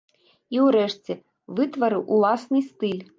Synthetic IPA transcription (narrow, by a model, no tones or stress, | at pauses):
iwɾɛʂt͡sʲɛ | vɨt̪vɐɾɨwʔulˠasnɨst̪ɨlʲ